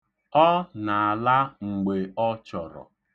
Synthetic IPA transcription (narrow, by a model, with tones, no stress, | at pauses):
ɔ˦na˨a˨la˦ŋ͡m̩˨ɡ͡be˨ɔ˦t͡ʃɔ˨ɾɔ̰˨